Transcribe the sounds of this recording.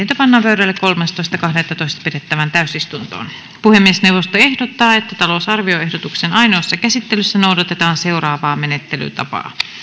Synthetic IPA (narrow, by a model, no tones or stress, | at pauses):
eit̪æpɑnːɑːpøyɾælːekko̞lmɑst̪oist̪ɑkɑhdet̪ːɑt̪oist̪ɑ̥pidet̪ːæʋænt̪æysist̪unt̪o̰ːn | puhemːiesneuwʋost̪oe̞hdot̪ːɑːet̪ːæt̪ɑlosɑrʋio̞e̞hdot̪uksenɑjnoːsːɑkæsit̪ːelysːænowdɑt̪et̪ɑːnse̞urɑːʋɑːmenet̪ːely̰t̪ɑ̰pɑ̰ː